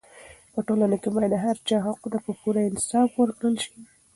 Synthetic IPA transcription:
pəʈolanakemɑjd̪aɦaɾt͡ʃɑɦaqut̪apəpuɾaɪnɪ̥sɑfwəɾkɽəlʃi̥

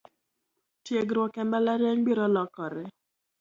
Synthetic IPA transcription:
tjeɡɾwɔkɛmbalaɾjaɲbiɾɔlɔkɔɾɛ

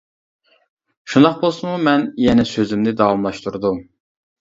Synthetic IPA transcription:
ʃund̪ɑqbolˠsumumɛnjɛnɛsøzymnɪd̪ɑvɑmlˠɑʃt̪ʰuɾud̪u

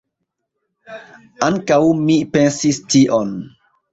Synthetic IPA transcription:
ʔaŋkawmipensistiʔon

